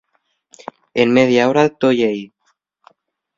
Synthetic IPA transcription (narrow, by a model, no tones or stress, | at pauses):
enmeðjaoɾat̪ojej